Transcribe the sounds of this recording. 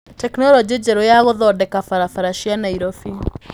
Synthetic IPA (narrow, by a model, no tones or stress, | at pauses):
tɛknɔɾɔd͡ʒed͡ʒɛɾɔjaɣɔðɔdɛkafaɾafaɾaʃianaiɾɔfi